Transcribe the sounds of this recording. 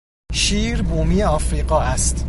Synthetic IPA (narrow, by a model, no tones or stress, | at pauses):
ʃiːɾbuːmiːeɒːfɾiːɢɒːæst̪